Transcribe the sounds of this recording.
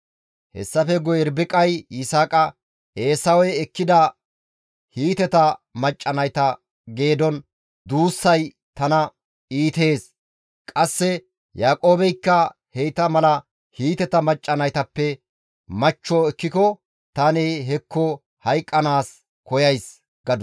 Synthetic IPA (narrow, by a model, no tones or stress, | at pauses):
hɛ̰sːɐfɛɡɔjɛɾbɪkʼɐjɪsaːkʼɐ | ʔe̞ːsɐwɛjɛkːɪd̪ɐ | hiːt̪ɛt̪ɐmɐt͡ʃʼːɐnɐjt̪ɐ | ɡe̞ːd̪ɔn | d̪uːsːɐj | t̪ɐnɐ | iːt̪e̞ːs | kʼɐsːɛ | jaːkʼoːbɛjkːɐ | hejt̪ɐmɐlɐ | hiːt̪ɛt̪ɐmɐt͡ʃʼːɐnɐjt̪ɐpːɛ | mɐt͡ʃːɔɛkːɪkɔ | t̪ɐneɦɛkːɔ | hɐjkʼːɐnaːs | kɔjɐjs | ɡ̥ɐd̪